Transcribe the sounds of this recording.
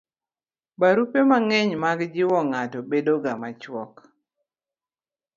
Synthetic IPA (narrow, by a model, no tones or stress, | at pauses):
baɾupemaŋɛɲmaɡd͡ʒɪwɔŋatɔbedoɡamat͡ʃwɔk